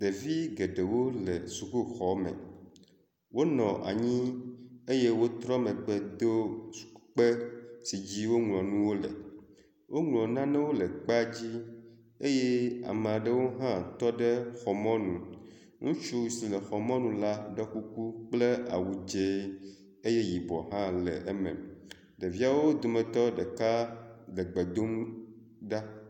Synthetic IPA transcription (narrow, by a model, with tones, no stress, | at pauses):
d̪e˨vi˦ɡe˨ɖe˨wo˦lḛ˨su˨ku˦xɔ˨mɛ̰̃˨ | wo˦nɔ̃˨ʔa̰˨ɲĩ˦e˦je˦wo˦t̪ɾɔ˦mẽ˨k͡pɛ˦d̪o˦su̥˨˦k͡pe˦si˨d͡ʑi˦wo˦ŋlɔ̃˨nũ˦wo˦lɛ̰˨ | wʔo˦ŋlɔ̃˨nã˦nɛ̃˦wo˦lɛ˨k͡pa˦d͡ʑi˦ | e˦je˦a̰˨me˨a˨ɖɛ˦wo˦ɦã˦t̪ɔ˦ɖɛ˦xɔ˨mɔ̃˦nũ˨ | ŋũ˦t͡ʃu˦i˨si˨lɛ˨xɔ˨mɔ̃˦nũ˨la˦ɖɔ˦ku˦ku˦k͡ple˦a̰˨wu˨d͡ʒe˦ | e˦je˦ji˨bɔ˨ɦã˦lɛ̰˨ʔe˦mɛ̰̃˨m | ɖe˨vi˦a˦wo˦d̪o˨mɛ̃˨t̪ɔ˦ɖɛ˨ka˦lɛ˨ɡ͡be˨d̪o˦m | ɖa˦